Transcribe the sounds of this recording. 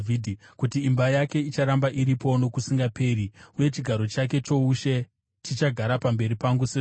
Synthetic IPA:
vidʱkutiːmbajake̞it͡ʃaɾambaʔiɾipo̞no̞kusiŋɡape̞riuje̞t͡ʃiɡʱaɾo̞t͡ʃak̬e̞t͡ʃo̞uʃe̞ | tit͡ʃaɡʱaɾapambe̞ɾipaŋɡuse

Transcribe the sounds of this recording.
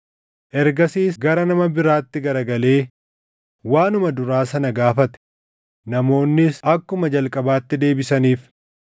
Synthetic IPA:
ʔɛɾɡɐsiːsɡɐɾɐnɐmɐbɪɾaːt̪ːɪɡɐɾɐɡɐle̞ː | waːnʊmɐd̪ʊɾaːsɐnɐɡaːfɐt̪ɛ̥ | nɐmo̞ːnːɪsɐkːʊmɐd͡ʒɐlkʼɐbaːt̪ːɪd̪e̞ːbɪsɐniːf

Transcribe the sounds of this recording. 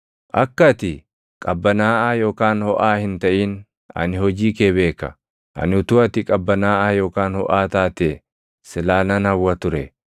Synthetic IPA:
ʔɐkːɐt̪ɪ | kʼɐbːɐnaːʔaːjo̞ːkaːnhɔʔaːhɪnt̪ɐʔiːn | ɐ̰nɪhɔd͡ʒiːkeːbe̞ːkːɐ̰ | ʔɐ̰nɪʊt̪ʊɐt̪ɪkʼɐbːɐnaːʔaːjo̞ːkaːnhɔ̰ʔaːt̪aːt̪e | sɪlaːnɐnɐwːɐt̪ʊɾɛ

